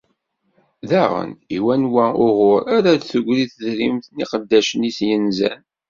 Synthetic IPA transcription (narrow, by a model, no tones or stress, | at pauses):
ðæʁə̰niwænwæʊʁʊɾaɾaðθəɡʷɾiθəzɾimθniqəd̪ːæʃənisjənzæ̰n